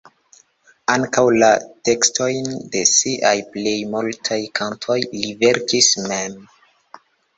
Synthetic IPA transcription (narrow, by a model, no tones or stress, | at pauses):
aŋkawlate̞kstʰo̞jnde̞siʔajple̞jmultʰajkʰampʰo̞jlive̞ɾkismem